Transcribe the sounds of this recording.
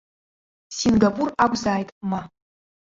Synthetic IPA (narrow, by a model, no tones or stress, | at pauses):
sinɡapʼuraɡʷzaːjtʼma